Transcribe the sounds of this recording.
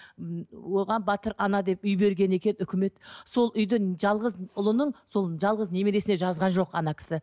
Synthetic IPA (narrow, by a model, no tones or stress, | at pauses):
wo̞ʁɑnbɑt̪əɾɑnɑd̪e̞pʏjbe̞ɾɡʲe̞ne̞kʲe̞nʏkʲɪme̞t̪so̞lˠʔʏjd̪ɪʒɑlˠʁəzʊlˠənəɴso̞lˠʒɑlˠʁəzne̞meɾe̞sɪne̞ʒɑzʁɑnʒo̞qɑnɑkʲʰɪ̥sɪ